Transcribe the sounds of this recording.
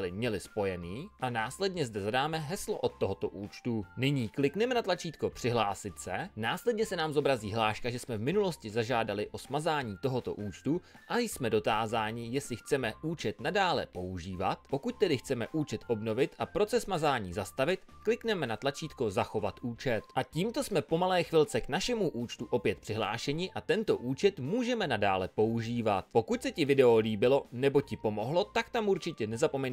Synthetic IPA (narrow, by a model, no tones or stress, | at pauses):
lɪmɲɛlɪspo̞jɛniːʔanaːslɛdɲɛzdɛzadaːmɛɦɛslo̰ʔot̪ːoɦot̪o̞ʔuːt͡ʃt̪unɪɲiːklɪknɛmɛnat̪lat͡ʃiːt̪ko̞pr̥ɪɦlaːsɪt̪sɛnaːslɛdɲɛsɛnaːmzo̞bɾaziːɦlaːʃkaʒɛsmɛvmɪnulo̞scɪzaʒaːdalɪʔo̞smazaːɲiːt̪o̞ɦo̞t̪o̞̰ʔuːt͡ʃt̪u | ʔajsmɛdo̞t̪aːzaːɲɪjɛslɪxt͡sɛmɛʔuːt͡ʃɛt̪nadaːlɛ̰po̞uʒiːva̰t̪̚po̞kuc̚t̪ɛdɪxt͡sɛmɛʔuːt͡ʃɛt̪ʔo̞bno̞vɪt̪ʔapɾo̞t͡sɛsmazaːɲiːzast̪avɪt̪klɪknɛmɛnat̪lat͡ʃiːt̪ko̞zaxo̞vat̪ʔuːt͡ʃɛt̪ʔaciːmt̪o̞smɛpo̞malɛːxvɪlt͡sɛknaʃɛmuʔuːt͡ʃt̪uʔo̞pjɛt̪̚pr̥ɪɦla̰ːʃɛɲɪʔat̪ɛnt̪o̞ʔuːt͡ʃɛt̪muːʒɛmɛnada̰ːlɛpo̞uʒiːvat̪̚po̞kuc̚sɛcɪvɪdɛoliːbɪlo̞nɛbo̞cɪpo̞mo̞ɦlo̞t̪akt̪amʔuɾt͡ʃɪcɛnɛzapo̞mɛn